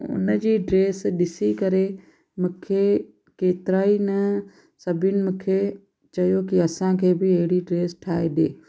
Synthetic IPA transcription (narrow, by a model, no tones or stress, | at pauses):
ʊ̰nəd͡ʑiːɖɾeːsɗɪsikɐɾe | mʊ̃ːkʰe | keːt̪ɪɾaːinɐ | sɐbʱɪnɪ̆mũːkʰe | t͡ɕɐjokiɐsãkʰeːbɪɐɦɪɽiɖɾeːsʈʰaːeɗeː